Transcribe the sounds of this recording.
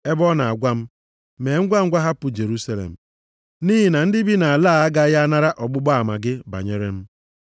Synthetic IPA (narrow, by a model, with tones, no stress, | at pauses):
e˦bɔ˦na˨a˨ɡʷa˦m̩˦ | me˨˦ŋ̩˦ɡʷa˦ŋ̩˦ɡʷa˦ɦa˦pʊ˨d͡ʒe˨ɾu˦sa˦lḛ˨m̩˨ | niː˦ɦi˨na˨n̩˦dɪ˦bi˦na˨a˨laː˦˨a˦ɡa˦ja˦a˦na˦ɾa˦ʔɔ˨ɡ͡bʊ˦ɡ͡bɔ˦a˨ma̰˨ɡɪ˦ba̰˨ɲe˦ɾe˦m̩˦